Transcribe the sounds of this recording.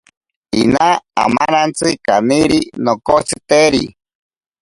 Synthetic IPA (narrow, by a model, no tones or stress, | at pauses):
inaa̰manant͡sɨkaniɾinokot͡sɨt̪eɾḭ